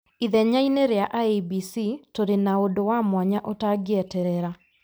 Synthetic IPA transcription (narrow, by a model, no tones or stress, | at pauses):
iðɛɲaineɾeaʔaebisitoɾenaodowamwaɲaʔotaɡjɛtɛɾɛɾa